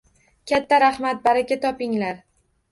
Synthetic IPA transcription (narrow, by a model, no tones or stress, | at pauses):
kʲat̪ʰːaɾaχmat̪̚baɾakʲat̪ʰɒpɪŋlaɾ